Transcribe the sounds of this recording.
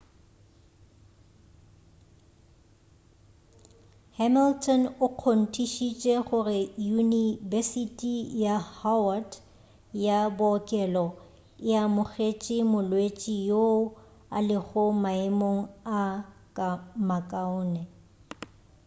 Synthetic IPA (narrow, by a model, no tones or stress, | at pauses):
hɛmiltʰʼɔnʊq͡χʰon̩tʰʼiʃit͡ʃʼɛχʊrɪjunivɛsitʼijahawad | jabʊɔkʼɛlɔ | jamʊɣet͡ʃʼɪmʊlwet͡ʃʼijo | a̰lɪχʊmaɪmoŋ̩akʼamakʼaʊːnɛ